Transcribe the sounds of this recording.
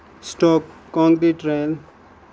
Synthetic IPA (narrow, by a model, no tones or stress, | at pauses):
sʈɔkːɔ̃ŋd̪iʈɾejl